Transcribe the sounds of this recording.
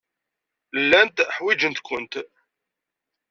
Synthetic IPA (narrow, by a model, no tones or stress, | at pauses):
lːænt̪ħwid͡ʒənt̪kʷənt̪